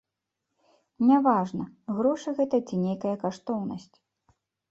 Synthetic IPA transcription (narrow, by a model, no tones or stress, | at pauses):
nʲavaʐnɐɣɾɔʂɨɣɛt̪ɐt͡sʲinʲejkɐjɐkaʂt̪ɔwnɐsʲt͡sʲ